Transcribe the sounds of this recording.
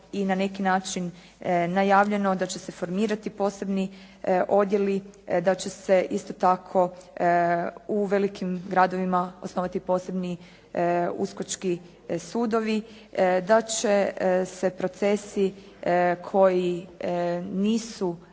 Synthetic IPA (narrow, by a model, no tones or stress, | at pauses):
inane̞kinaːt͡ʃinː | ajaːʋʎe̞no̞d̪at͡ɕe̞se̞fo̞ɾmiːɾat̪ipo̞ːse̞bni | ʔo̞d̪je̞lid̪at͡ɕe̞se̞ʔist̪o̞t̪akʰo̞ | uʋe̞likʰimɡɾad̪o̞ʋimao̞snoʋat̪ipo̞ːse̞bni | ṵskot͡ʃki | suːd̪o̞ʋi | d̪at͡ʃe̞se̞pɾo̞t̪se̞si | kʰo̞ji | niːsu